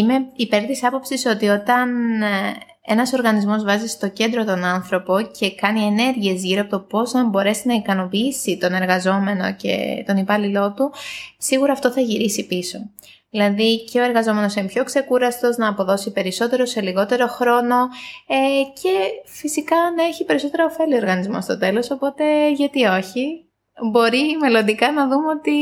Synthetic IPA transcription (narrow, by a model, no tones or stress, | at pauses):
imeipe̞ɾt̪isɐpo̞psiso̞t̪io̞t̪ɐn | e̞̰nɐso̞ɾɣɐnizmo̞zvɐzist̪o̞ce̞nd̪ɾo̞t̪o̞nɐnθɾo̞po̞ce̞kɐnie̞ne̞ɾʝie̞zʝiɾoɐpot̪opo̞znɐmbo̞ɾe̞sinɐikɐno̞piisit̪o̞ne̞ɾɣɐzo̞me̞no̞̰ce̞̰t̪o̞nipɐlilo̞t̪usiɣuɾɐːft̪o̞θɐʝiɾisipiso̞̰ | ðilɐðiceo̞e̞ɾɣɐzo̞me̞no̞simpço̞kse̞kuɾɐst̪o̞znɐːpo̞ðo̞sipe̞ɾiso̞t̪e̞ɾo̞se̞liɣo̞t̪e̞ɾo̞xɾo̞no̞ece̞fisikɐnɐeçipe̞ɾiso̞t̪e̞ɾɐofe̞lio̞ɾɣɐnizmo̞̰st̪o̞t̪e̞lo̞so̞po̞t̪e̞ʝɐt̪io̞çi | bo̞ɾime̞lo̞nd̪ikɐnɐðumeo̞t̪i